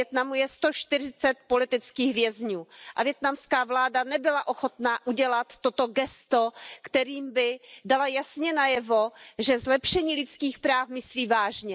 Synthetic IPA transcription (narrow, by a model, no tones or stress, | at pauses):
jɛt̪namujɛst̪oʃt̪ɪr̝ɪt͡sɛt̪̚po̞lɪt̪ɪt͡skiːɣvjɛzɲuːʔavjɛt̪namskaːvlaːdanɛbɪlaʔo̞xo̞t̪naːʔuɟɛlat̪ːot̪o̞ɡɛst̪okt̪ɛɾiːmbɪdalajasɲɛnajɛvoʒɛzlɛpʃɛɲiːlɪt͡skiːxpɾaːfmɪsliːvaːʒɲɛ